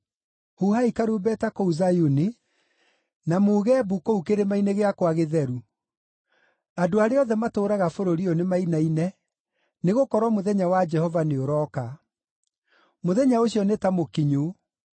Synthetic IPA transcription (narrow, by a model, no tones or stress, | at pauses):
huhaikaɾuːbɛtakouzajuni | namoːɣɛːbukoukeɾemainɛɣeakwaɣeðɛɾu | adoaɾeɔðɛmatoːɾaɣafoɾoɾiɔnemainainɛ | neɣokɔɾwɔmoðɛɲawad͡ʒɛhɔvaneoɾɔka | moðɛɲaoɕiɔnetamokiɲo